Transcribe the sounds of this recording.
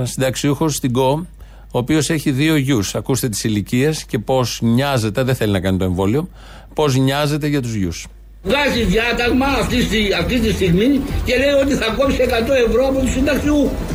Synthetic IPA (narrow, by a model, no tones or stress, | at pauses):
sind̪ɐksiuxo̞st̪iɡo̞ | oːpio̞se̞çiðio̞ʝusɐkust̪e̞t̪i̥silicie̞sce̞po̞sɲɐze̞t̪e̞ðeθe̞linɐkɐnit̪oe̞ɱvo̞lio̞ | po̞zɲɐze̞t̪e̞ʝɐt̪uzʝṵs | ɣɐçiðjɐt̪ɐɣmɐːft̪isiɐft̪it̪̬ist̪iɣmice̞le̞jo̞t̪̬iθɐkopsiekɐt̪o̞e̞vɾoɐpot̪usind̪ɐksiuxo